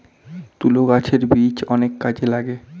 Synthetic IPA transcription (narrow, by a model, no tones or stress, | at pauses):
t̪uloɡat͡ɕʰeɾbit͡ɕɔnekːad͡ʑelaɡe